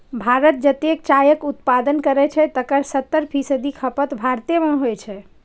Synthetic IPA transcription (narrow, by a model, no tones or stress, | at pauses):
bʱaɾət̪̚d͡ʒət̪ek̚t͡ʃajəkut̪pad̪ənkəɾɛt͡ʃʰɛt̪əkəɾsət̪ːəɾpʰisəd̪ikʰəpət̪bʱaɾt̪iemẽɦojt͡ʃʰɛ